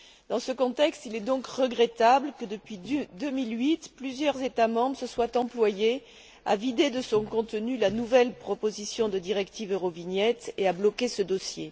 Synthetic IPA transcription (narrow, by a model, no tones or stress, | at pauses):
d̪ɑ̃səkɔ̃t̪ɛkst̪ilɛd̪ɔ̃kʁəɡʁɛt̪abləkəd̪əpɥid̪əmilɥit̪plyzjœʁzet̪amɑ̃bʁsəswat̪ɑ̃plwaje | a̰vid̪ed̪əsɔ̃kɔ̃t̪ənylanuvɛlpχɔpozisjɔ̃d̪əd̪iʁɛkt̪ivøʁovinjɛt̪eablɔkesəd̪ɔsje